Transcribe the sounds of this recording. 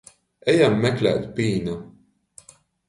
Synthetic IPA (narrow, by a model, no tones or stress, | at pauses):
ɛjamːɛklʲæ̰ːt̪piːna